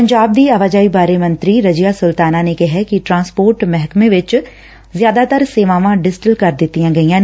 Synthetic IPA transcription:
pəɲd͡ʒaːb̚d̪iːaʋaːd͡ʒaːibaːɾemə̃nt̪ɾiːɾəd͡ʒijaːsʊlt̪aːnaːnekɛɦɛkiʈɾãːspoːɾʈmɛɦkmẽʋɪt͡ʃ | zjaːd̪aːt̪əɾseːʋaːʋãːɖɪsʈɪlkəɾd̪ɪt̪ːijãːɡɐijãːn

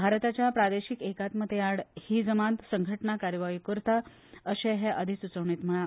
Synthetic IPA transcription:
bʱaɾt̪at͡ɕjapɾad̪eɕikekat̪məd̪ʱːeaɽhiːd͡zəmant̪səŋɡʱəʈɳakaɾjəʋajikəɾt̪a | əɕeɦɛʔəd̪ʱisut͡səʋɳit̪m̤əɭa

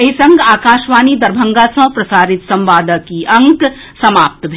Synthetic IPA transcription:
esɐ̃ŋɡaːkaːʃʋaːnid̪ɐɾbʱɐ̃ŋɡasɐ̃ːpɾɐsaːɾɪt̪sɐ̃mʋaːd̪əkiʔɐ̃ŋk | sɐmaːp̚t̪bʱ

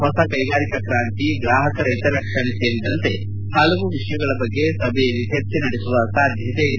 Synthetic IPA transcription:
ɦɔsɐkɐjɡaːɾikɐkɾaːnt̪iɡɾaːɦɐkɐɾɐjt̪ɐɾɐkʂɐɳese̞ːɾid̪ɐnt̪e̞ | hɐlɐʋuʋiʂɐjɐɡɐɭɐbɐɡːesɐbejɐlːiɦet͡ʃːenɐɽesuʋɐsaːd̪ʱjɐt̪e

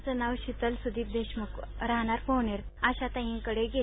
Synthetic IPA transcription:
t͡sənaʋɕit̪əlsud̪ʱiːp̚d̪eɕməkɾaɦɳaɾfoʋɳeɾaɕat̪ãɦĩŋkəɽeɡe

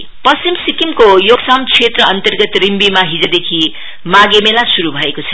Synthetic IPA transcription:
pʌst͡simsikimkojoɡsamt͡sʰet̪rʌʌnt̪ʌrɡʌt̪rimbimaɦid͡zʌd̪ekʰi | maɡemelasuɾubʱʌekot͡sʰʌ̥

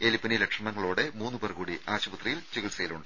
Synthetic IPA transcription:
elipːɐnilɐkʂɐmɐŋːɐɭoːɽe̞muːnːɨpɐrkuːɽiaːɕɐbɐt̪rijilt͡ɕiɣilsɐjiluɳɖɨ

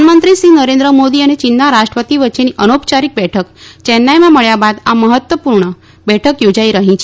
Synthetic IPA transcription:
nmənt̪ɾisinəɾẽnd̪ɾəmod̪iənet͡ʃɪnt̪aɾaʃʈɾəpət̪iʋətːʃeniʔənopt͡ʃaɾik̚bɛʈʰəkt͡ʃɛnːajmãməɭjabad̪aməɦət̪wʋəpuɾɳə | bɛʈʰəkjod͡ʒaiɾəɦĩt͡ʃʰe

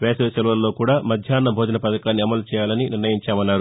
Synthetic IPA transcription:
ʋɛːseːʃɐluʋɐlːo̞ːkuːɽaːmɐd̪ʱjaːnːɐbʱoːd͡ʒ̪ɐnɐpɐd̪ɐkaːnːiɐmɐlut͡ʃɛːjaːlɐniniɾnɐjiɲt͡ʃaːmɐnːaːɾu

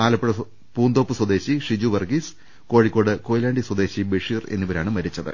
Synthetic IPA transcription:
aːlɐpːeɻɐ | puːnd̪o̞ːpːɨswɐd̪e̞ːɕiʂid͡ʑuʋɐrɡis | ko̞ːɻikʲːoːɽɨko̞ːjlaːɳɖiswɐd̪e̞ːɕibiʂiːre̞̰nːuʋɐɾaːɳɨmɐɾit͡ɕːɐðɨ̰

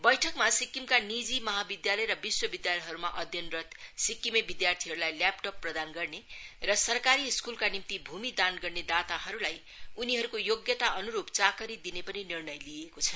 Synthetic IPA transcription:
bʌjʈʰʌkmasikːimkanid͡zimʌɦabid̪jalʌjɾʌbiswʌbid̪jalʌjɦʌɾumaʔʌd̪ʱjʌnrʌt̪sikːimebid̪jart̪ʰiɦʌɾulajlapʈopːrʌd̪anɡʌrnerʌsʌrkaɾiskulkanimt̪ibʱumid̪anɡʌrned̪at̪aɦʌɾulaj | uniɦʌɾukojoɡjʌt̪aʔʌnuɾubt͡sakʌɾid̪inepʌninirnʌjliekot͡sʰʌ̥

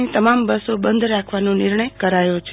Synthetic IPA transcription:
ĩt̪əmambəsobənd̪ʱɾakʰʋanonɪɾɳəjkəɾajot͡ʃʰ

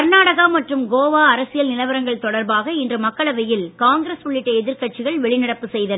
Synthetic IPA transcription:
ɐɾnaːɽɐɣaːmɐʈrɯmɡoːʋaːɐɾɐsɪjɐlnɪlɐʋɐɾɐŋɡɐɭt̪ɔɽɐɾbaːɣɐɪndrɯmɐkːɐɭɐʋɐjɪlkaːŋɡɪɾɐsʊɭːɪʈːɐɛðɪɾkɐʈ̚t͡ʃɪɣɐɭʋɛɭɪnɐɽɐpːɯsɛjðɐ

